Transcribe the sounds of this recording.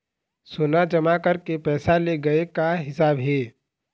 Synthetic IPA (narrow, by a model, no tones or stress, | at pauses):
soːnad͡ʒɐmakəɾkepɛːsaleɡɐekaɦɪsaːbɦeː